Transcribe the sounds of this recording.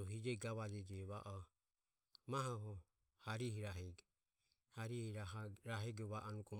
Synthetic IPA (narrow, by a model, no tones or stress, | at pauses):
ɔɦid͡ʒɛɡaβad͡ʒɛd͡ʒɛβaʔɔ | maɦɔɦɔ | haɾihiɾaɦɛɡɛ | haɾihiɾaɾaɦɛɡɔβaʔɔnukɔ